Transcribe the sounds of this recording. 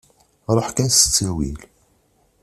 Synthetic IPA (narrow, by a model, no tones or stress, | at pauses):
ɾˤəħkænsə̥t͡sːæwil